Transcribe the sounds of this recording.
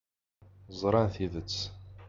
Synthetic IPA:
zˤɾˤɑnθiðət͡sː

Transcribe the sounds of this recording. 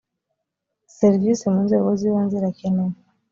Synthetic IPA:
sɛɾvisimunzɛwɔziwanziɾakɛnɔ

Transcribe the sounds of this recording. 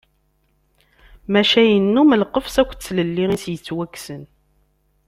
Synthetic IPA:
mæʃæjənːuməlqəfsækʷːt͡sːləlːiʁisjət͡sːwækːsən

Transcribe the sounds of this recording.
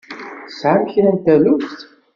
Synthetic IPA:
θsʕamçɾænt̪ælust̪

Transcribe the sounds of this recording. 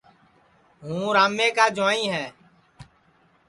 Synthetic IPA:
ɦũːɾaːmeːkaːd͡ʒʊãːĩːɦɛː

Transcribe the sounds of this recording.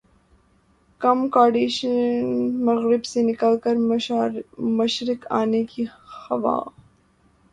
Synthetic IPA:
kɐmkaːɖiːʃəmɐɣɾɪbsenɪkəlkəɾ | mɐʃɾɪka̰ːnekixɐʋa̰ː

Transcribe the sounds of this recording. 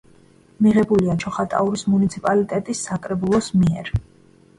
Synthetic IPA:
miʁɛbuliat͡ʃʰɔχat̪ʼa̰uɾismunit̪sʰipʼalit̪ʼɛt̪ʼisːakʼɾɛbulˠɔsmiɛɾ

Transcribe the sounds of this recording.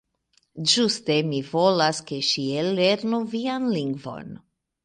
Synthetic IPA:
d͡ʒuste̞mivo̞laske̞ʃiele̞ɾnuvianliŋɡvo̞̰n

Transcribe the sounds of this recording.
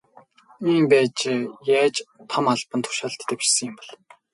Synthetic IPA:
iːmpæːt͡ɕejæːt͡ɕt̪ʰɔmaɮpə̆nt̪ʰʊ̥ʃaːɮt̪ʰːeːwpi̥ʃsə̆ŋjɪ̆mpɔɮ

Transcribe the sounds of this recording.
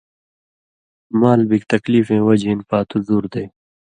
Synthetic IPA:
maːlbikt̪ɐkliːfẽːwɐd͡ʑẽːnpaːt̪uzuːɾd̪ej

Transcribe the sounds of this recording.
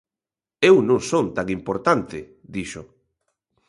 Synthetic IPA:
ewnõŋsont̪aŋimpoɾt̪ant̪ɪ | d̪iʃʊ

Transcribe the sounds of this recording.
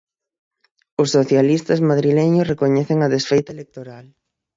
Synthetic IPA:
ʊsːoθjalist̪ɐzmaðɾileɲʊsrekoɲɛθeŋɐðesfejt̪aelek̚t̪oɾal

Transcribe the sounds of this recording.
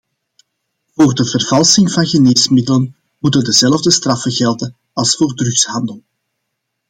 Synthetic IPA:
voːrdəvərvɑlˠsɪŋvɑnɣəneːsmɪdələn | mutəndəzɛləvdəst̪rɑfəɣɛlˠdə | ɑlˠsfoːrdrʏxshɑndəlˠ

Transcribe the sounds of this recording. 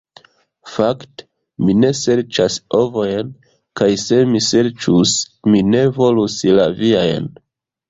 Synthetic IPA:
fakte̥ | mine̞se̞ɾt͡ʃaso̞vo̞jn | kajse̞mise̞ɾt͡ʃus | mine̞vo̞luslaviajn

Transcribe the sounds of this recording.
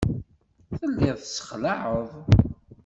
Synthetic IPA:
θəlːɪðˤθsə̥χlaʕəðˤ

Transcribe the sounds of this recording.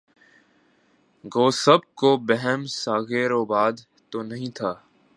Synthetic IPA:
ɡoːsəb̚koːbəɦɛmsaːɣeːɾoːbaːd̪ | t̪oːnəɦĩːt̪ʰaː

